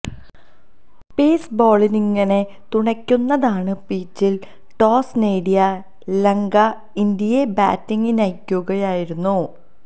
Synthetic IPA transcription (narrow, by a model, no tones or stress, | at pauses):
peːsbo̞ːɭiniŋːɐne̞ | t̪uɳɐkʲːunːɐðaːɳɨpiːt͡ɕːil | ʈo̞ːsneːɖijɐ | leŋɡɐ | ind̪ijeba̰ːtːiŋːinɐjkʲːuɣɐjaːjiɾunːu